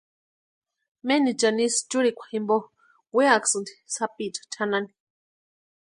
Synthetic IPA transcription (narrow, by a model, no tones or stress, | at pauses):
menit͡ʃanist͡ʃuɾikʷḁhimbo | weaksɨnd̪i̥sapit͡ʃḁt̪ʰanani̥